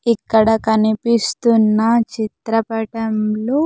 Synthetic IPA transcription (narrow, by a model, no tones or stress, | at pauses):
ikːɐɽɐkɐnipist̪unːɐt͡ʃit̪ɾɐpɐʈɐmlo